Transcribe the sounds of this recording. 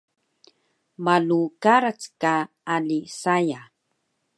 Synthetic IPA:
malukaɾat͡ska | alisaja

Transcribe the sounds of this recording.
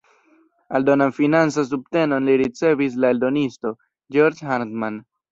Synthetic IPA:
aldo̞nanfinant͡sas̬ub̚te̞no̞nliɾit͡se̞vis̬laeldo̞nisto̞ | d͡ʒoɾd͡ʒɦantman

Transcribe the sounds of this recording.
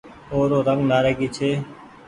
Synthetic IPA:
oːɾoːɾəŋɡnaːɾeːɡiːt͡ʃʰeː

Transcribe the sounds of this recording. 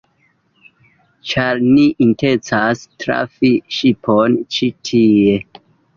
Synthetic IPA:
t͡ʃaɾniʔintent͡sastɾa̰fiʃipʰont͡ʃitʰie̞

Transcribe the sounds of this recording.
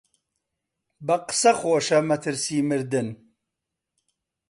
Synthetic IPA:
bɐqɨ̥sɐxoːʃɐmɐt̪ʰɨɾsiːmɨɾd̪ɨn

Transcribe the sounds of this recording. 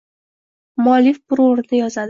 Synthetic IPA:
mɒlɪfbʊɾoɾɪd̪ajɒzad̪

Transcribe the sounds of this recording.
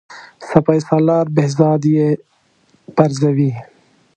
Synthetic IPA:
sɐpaːisaːlɑːɾbehzɑːd̪je | pɐɾzɐwi

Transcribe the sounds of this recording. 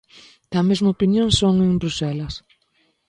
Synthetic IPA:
t̪ɐmezmɐopinjõŋsoŋẽŋbɾusɛlɐs

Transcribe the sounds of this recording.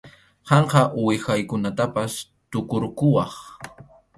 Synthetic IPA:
hɑɴqɑʔwɪxajkʊnat̪apas | t̪ʊkʊɾkʊwɑχ

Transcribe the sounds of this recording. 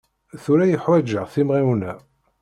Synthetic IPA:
θuɾæjəħwæd͡ʒəʁθimʁiwnæ

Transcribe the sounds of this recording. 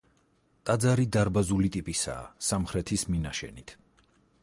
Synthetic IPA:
t̪ʼad̪zaɾid̪aɾbazulit̪ʼipʼisa̰ːsamχɾɛt̪ʰisminaʃɛ̰nit̪ʰ

